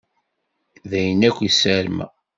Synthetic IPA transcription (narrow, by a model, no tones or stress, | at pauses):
ðæjənækʷːisæɾmæ̰